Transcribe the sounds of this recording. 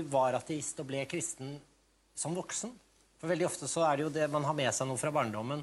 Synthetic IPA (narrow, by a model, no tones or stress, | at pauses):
ʋɑɾɑt̪ʰɛɪst̪ɔblɛkʰɾɪst̪ən | sɔmʋɔksən | fɔɾʋɛld̪ɪɔft̪əsɔæɖɛjʊd̪ɛmɑnɦɑɾmɛsæɪnuːəfɾɑbɑːɳɖɔmːən